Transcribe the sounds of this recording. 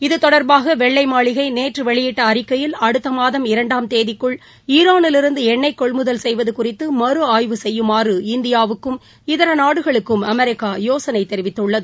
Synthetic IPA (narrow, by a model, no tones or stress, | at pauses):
ɪðɯt̪ɔɽɐɾbaːɣɐʋɛɭːɐɪmaːɭɪɣɐɪneːʈrɯʋɛɭɪjɪʈːɐːɾɪkːɐjɪlɐɽɯt̪ːɐmaːðɐmɪɾɐɳɖaːmt̪eːðɪkːɯɭ | iːɾaːnɪlɪɾɯnd̪ɯɛɳːɐɪkːɔɭmɯðɐlsɛjʋɐðɯkʊrɪt̪ːɯmɐɾɯaːjʋɯsɛjːɯmaːrɯɪnd̪ɪjaːʋɯkːɯm | ɪðɐɾɐnaːɽɯɣɐɭɯkːɯmɐmɐɾɪkːaːjoːsɐnɐɪt̪ːɛɾɪʋɪt̪ːɯɭːɐðɯ